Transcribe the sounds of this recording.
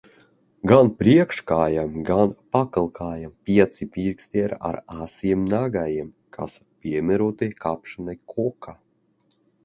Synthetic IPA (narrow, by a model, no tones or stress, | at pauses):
ɡanpɾiɛkʃkaːjamɡanpakɨlˠkʰaːjampʲiɛt̪sipʲiɾksʲt̪ʲɛɾa̰ɾasiɛmnaɡajiɛm | kʰa̰spʲiɛmʲɛɾɔt̪ekapʃanajkʰɔka